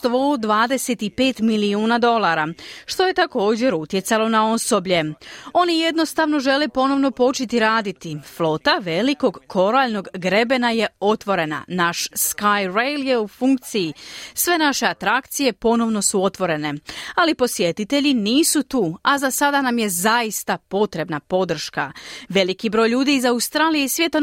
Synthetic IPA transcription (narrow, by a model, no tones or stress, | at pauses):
t̪ʋod̪ʋaːd̪e̞set̪ipe̞ːt̪miliuːnad̪o̞lˠaɾaʃt̪o̞je̞t̪ako̞ːd͡ʑe̞ɾut̪je̞t̪salo̞nao̞so̞bʎe̞o̞nije̞d̪no̞st̪aʋno̞ʒe̞le̞po̞no̞ʋno̞po̞t͡ʃit̪iɾaːd̪it̪iflo̞t̪aʋe̞liko̞ɡkʰo̞ɾaʎno̞ɡɡɾe̞be̞naje̞o̞t̪ʋo̞ɾe̞na̰naʃskajɾejlje̞ufuŋk̚t̪sijisʋe̞naʃe̞at̪ɾakt̪sije̞po̞no̞ʋno̞suo̞t̪ʋo̞ɾe̞ne̞alipo̞sje̞t̪it̪e̞ʎiniːsut̪uːazasad̪anamje̞zaist̪apo̞t̪ɾe̞bnapo̞d̪r̩ʃka̰ʋe̞likibɾojʎuːd̪iːzawst̪ɾaːlijeisʋje̞t̪o